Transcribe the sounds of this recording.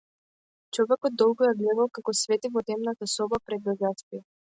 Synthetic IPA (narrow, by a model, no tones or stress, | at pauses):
t͡ʃɔvɛkɔd̪̚ːɔlˠɡɔjaɡlɛd̪alˠkakɔsvɛt̪ivɔt̪ɛmnat̪asɔbapɾɛd̪̚bɛɡast̪i